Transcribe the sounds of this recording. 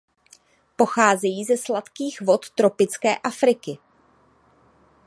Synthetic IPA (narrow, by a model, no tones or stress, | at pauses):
po̞xaːzɛjiːzɛslat̪kiːɣvo̞t̪ːɾo̞pɪt͡skɛːʔafɾɪkɪ